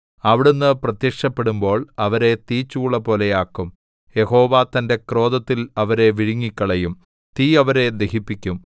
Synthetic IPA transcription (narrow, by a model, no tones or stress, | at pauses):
ɐʋiɽunːɨprɐt̪jɐkʂɐpːe̞ɽumbo̞ːɭɐʋɐɾe̞t̪iːt͡ɕːuːɭːɐpo̞ːlejaːkːum | je̞ho̞ːʋaːt̪ɐnde̞kro̞ːd̪ɐt̪ːilɐʋɐɾe̞ʋiɻiŋːikʲːɐɭɐjum | t̪iːɐʋɐɾe̞d̪eɦipːikʲːum